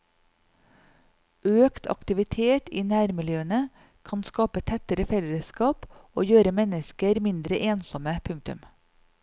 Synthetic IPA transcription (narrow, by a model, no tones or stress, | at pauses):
ʔøːkt̪ʰɑ̰kt̪ɪʋɪt̪ʰeːt̪iːnæːɾmɪljøːənə | kʰɑnskɑːpət̪ʰɛt̪əɾəfɛləskɑːpoːjøːɾəmɛnəskəɾmɪnd̪ɾəʔeːnsɔməpʰʉŋk̚t̪ʉ̰m